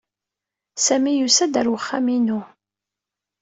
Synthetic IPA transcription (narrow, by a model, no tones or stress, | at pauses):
sæmijusæd̪əɾwəχːaminu